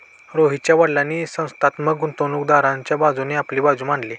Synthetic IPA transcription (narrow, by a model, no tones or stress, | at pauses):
ɾoɦit͡ɕjaʋəɽlanisə̃w̃st̪at̪məkɡunt̪onuːkd̪aɾãɲt͡ɕjabad͡zuneaplibad͡zumãɳli